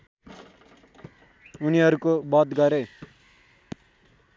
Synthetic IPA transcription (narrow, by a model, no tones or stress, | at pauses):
uniʌɾukobʌd̪ɡʌɾe